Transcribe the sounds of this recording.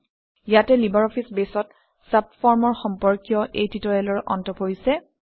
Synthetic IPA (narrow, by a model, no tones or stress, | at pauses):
jatɛlibaɹɔpʰisbesɔt | sap̚fɔɹmɔɹxɔmpɔɹkijɔʔejtitɔɹɛlɔɹʔɔ̰ntɔpoisɛ